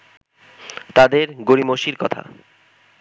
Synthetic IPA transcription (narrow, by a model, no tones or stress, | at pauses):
t̪ad̪eɾɡoɾimoʃiɾkɔt̪ʰa̰